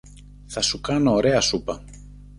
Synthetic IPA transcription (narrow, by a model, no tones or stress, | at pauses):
θɐsukɐno̞ːɾe̞ɐsupɐ